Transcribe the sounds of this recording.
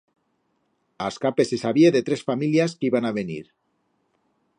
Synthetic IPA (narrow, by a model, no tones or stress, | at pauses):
askape̞sesaβjeðet̪ɾesfamiljaskiβanaβenḭɾ